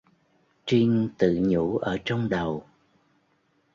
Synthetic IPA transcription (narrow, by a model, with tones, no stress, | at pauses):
t͡ɕi˧ŋt̪ɨ̰˧˨ɲu˧˥ʔəː˧˩t͡ɕɔ˧wŋ͡mɗə˨˩w